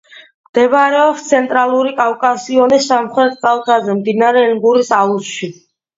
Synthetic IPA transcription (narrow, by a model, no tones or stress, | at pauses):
md̪̥ɛbɾɛɔpst̪sʰɛnt̪ʼɾalˠuɾikʼavkʼasiɔnisːamχɾɛt̪t͡sʼalˠt̪ʰazɛmd̪inaɾɛiŋɡuɾisausʃi